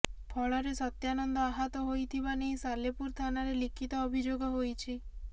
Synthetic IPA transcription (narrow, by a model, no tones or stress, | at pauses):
pʰɔɭɔɾesɔt̪janɔnd̪ɔaɦɔt̪ɔɦojt̪ʰibaneisalepuɾt̪ʰanaɾelikʰit̪ɔːbʱid͡ʒoɡɔɦojt͡ʃʰi